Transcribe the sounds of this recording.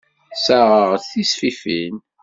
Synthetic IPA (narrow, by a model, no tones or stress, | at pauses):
saʁəʁθisfifin